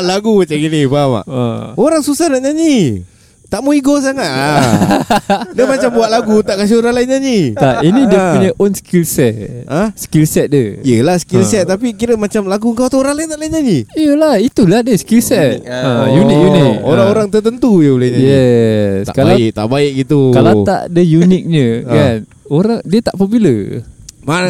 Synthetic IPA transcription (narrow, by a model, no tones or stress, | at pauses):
laɡumat͡ʃaŋɡinipama̰ʔoɾaŋsusahnaʔɲaɲi | t̪aʔmoiɡos̬aŋat̪̚a | dəmat͡ʃambuaʔ̪̚laɡut̪aʔkas̬ioɾaŋlainɲaɲit̪ainidiəuɲaʔɔnskilsɛt̪əhskilsɛt̪̚dəijəlahsə̥kilsɛt̪̚ːapikiɾəmat͡ʃamlaɡuəŋkawt̪uoɾaŋlaint̪aʔlaiɲaniiəlahit̪ulahdəskilsɛt̪̚əjunɪk̚junɪk̚oɾaŋoɾaŋt̪ət̪ənt̪ujəulaɲajɛsa̰kaaɪk̚t̪a̰ʔbaɪk̚ɡit̪ukalat̪a̰ʔdəjunɪk̚ɲəkan | oɾaŋdiət̪aʔpəbiləma